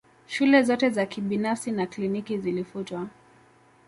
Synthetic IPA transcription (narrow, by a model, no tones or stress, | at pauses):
ʃulɛzɔtɛzakiɓinafsinaklinikizilifutwa